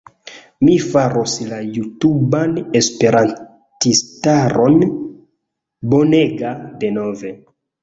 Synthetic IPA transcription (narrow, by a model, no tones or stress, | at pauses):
mifaɾoslajutubanespe̞ɾan | tistaɾo̞n | boneɡade̞no̞ve̞